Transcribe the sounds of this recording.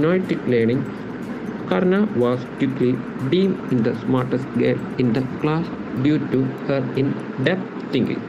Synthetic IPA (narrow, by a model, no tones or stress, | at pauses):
nojʈikleːnĩŋ | kɐɾnaʋɔːskjukli | ɖĩːmĩnd̪ɐsmaːɾʈɐsʈɡeːmɪ̃nd̪ɐklaːs | ɖjuːʈːuhɐɾɪ̃n | ɖɛp̚ | t̪ĩŋkḭ̃ŋ